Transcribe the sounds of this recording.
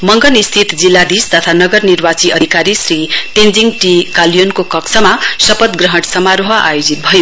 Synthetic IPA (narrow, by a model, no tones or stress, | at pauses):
mʌŋɡʌnist̪ʰit̪d͡zilːad̪ist̪ʌt̪ʰanʌɡʌrnirbat͡siʔʌd̪ʱikaɾisɾiʈ̪end͡ziŋɡʈikaljonkokʌksʰʌmasʌpʌt̪ɡrʌɦʌʈsʌmaɾoɦʌa̰jod͡zit̪̚bʱʌjo